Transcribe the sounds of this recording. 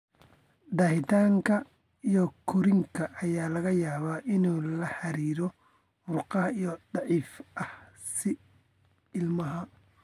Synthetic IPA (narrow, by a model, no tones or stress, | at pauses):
d̪ɐhɪt̪ʰaːŋkʰɐ | ijɔkʰʊɾɪŋkʰɐʔːjaːlɐɣɐjaːβaːʔɪnuːlɐħɑɾiːɾɔ | mʊrqɑɦɐijɔd̪ɑʕiːfʔɐh | sɪ | ɪlmɐɦɐ